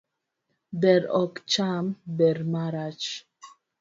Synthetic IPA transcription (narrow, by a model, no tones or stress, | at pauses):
bɛɾɔkt͡ʃambɛɾmaɾat͡ʃ